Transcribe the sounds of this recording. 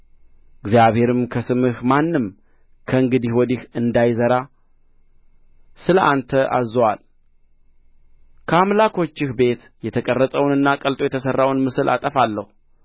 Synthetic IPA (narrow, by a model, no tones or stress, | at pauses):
ʔɨɡzjaβhe̞ɾɨmkʰəsɨmɨhmanːɨm | kʰəɨŋɡɨd̪ihwɔd̪ihɨnd̪ajzəɾa | sɨləʔant̪ʰəʔa̰zəwa̰l | kʰəamlakʰo̞t͡ʃːɪhbe̞t̪ | jɛt̪ʰəkʼərːəsʼəwnɨnːakʼəlt̪ʼo̞jɛt̪ʰəsərːawnmɨsɨlʔa̰t̪ʼəfalːəhu